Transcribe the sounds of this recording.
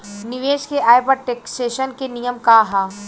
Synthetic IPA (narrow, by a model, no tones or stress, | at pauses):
nɪʋeːʃkeʔaːjpəʈeksʈeːʃənkenijəmkaɦaː